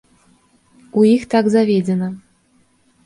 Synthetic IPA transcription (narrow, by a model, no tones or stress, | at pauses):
uixt̪aɡzavʲed͡zʲɛnə